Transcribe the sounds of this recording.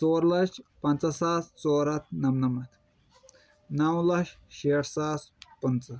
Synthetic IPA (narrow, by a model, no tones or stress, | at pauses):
t͡soːɾlɐʃpɐnt͡sɐsaːst͡soːɾɐt̪̚ʰnɐmnɐmɐt̪ʰ | nɐwlɐʃ | ʃeːʈʰsaːspɐnt͡sɐ